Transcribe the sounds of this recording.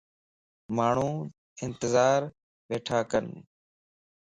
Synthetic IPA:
maːɳ̤ũː | ɪnt̪əzaːɾ | ʋeːʈʰaːkən

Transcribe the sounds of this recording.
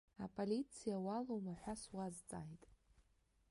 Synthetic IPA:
apʼolit͡sʰijawalowmaħʷaswazt͡sʼajtʼ

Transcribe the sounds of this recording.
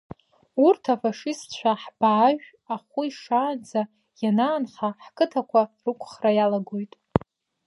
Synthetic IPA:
urtʰafaʂɨst͡ɕʷʰaħb̥aːʒᶣ | aχʷʊiʂaːnd͡za | janaːnχaħkʼɨtʰakʷʰarɨkʷʰʼχrajalaɡojtʼ

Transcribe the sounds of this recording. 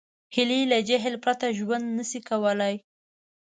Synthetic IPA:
hɪlilad͡ʒaɦlpɾat̪aʒwand̪nəsikawəlaj

